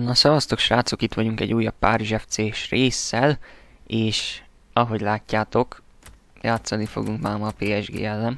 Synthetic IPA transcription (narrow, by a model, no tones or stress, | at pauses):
nɒsɒvɒst̪okʃraːt̪sukit̪ʋɒɟuŋkɛ̰ɟːuːjːɒpːaːɾiʒɛft̪seːʃreːsːɛleːʃ | ɒɦo̞ɟlaːcːaːt̪o̞k | jaːt̪sɒnifo̞̰ɡuŋkmaːmɒpeːɛʒɡḛːɛlːɛn